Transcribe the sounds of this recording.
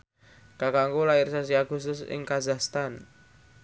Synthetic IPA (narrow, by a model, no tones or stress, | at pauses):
kakaŋkulaɪrsas̬iaɡ̥ṳst̪ʊsɪ̰ŋkazahst̪an